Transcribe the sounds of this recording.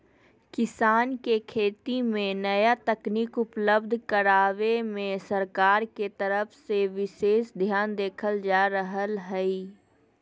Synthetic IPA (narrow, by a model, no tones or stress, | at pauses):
kɪsaːnkekʰeːt̪imẽnɐjat̪ɐkniːkʊpləbd̪ʱkəɾaːʋemẽsəɾkaːɾket̪ɐɾəfseʋɪʃeːʃd̪ʱjaːnd̪eːkʰəld͡ʒaːɾəɦəlɦɛi